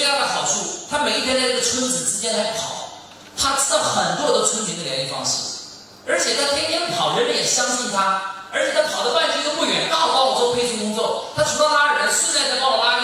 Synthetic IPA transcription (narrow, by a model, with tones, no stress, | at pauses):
a˥˩xɑ˨˩ʊʈ͡ʂʰu˥˩t̪ʰa˥me˨˩i˥t̪ʰjɛ˥a˥˧ʈ͡ʂə˥˩ə˩t͡sʰwə˥nd͡zɹ̩˨˩t͡ɕ̩˥t͡ɕjɛ˥nla˧˥ɪpʰɑ˨˩˦ʊ | t̪ʰa˥t͡s̩ʰ˥d̪ɑ˥˧˩xə˨˩nt̪wɔ˥d̪ə˨t͡sʰwə˥nmi˧˥ŋd̪ə˧˨ljɛ˧˥ni˥˩fɑ̰˥˧ŋɕḭ˥˩ | ə˞˧˥t͡ɕʰjɛ˨˩t̪ʰa˥˩ɪp̪ʰjɛ˥nt̪ʰjɛ˥nppʰɑ˨˩ʊɻə˧˥nlə˧˥jɛ˨˩ɕjɑ˥ŋɕi˥˩nt̪ʰa˥ə˞˧˥t͡ɕʰjɛ˨˩t̪ʰa˥˩pʰɑ˨˩ʊd̪ə˦wa˥˧nʂ̩˥ə˧˥mu˥˩ɥɛ˧˥npa˥˩˨pɑ˥ʊlɔ˨˩t͡so˥pʰe˥ɪt͡ɕʰu˥˧kʊ˥ŋt͡swɔ˥˩t̪ʰa˥ʈ͡ʂʰu˧˥lə˧la˥ə˨˩ə˧˥ns̩˥˧t͡sa˥˩ɪt̪a˥˩˥pɑ˥˧lla˥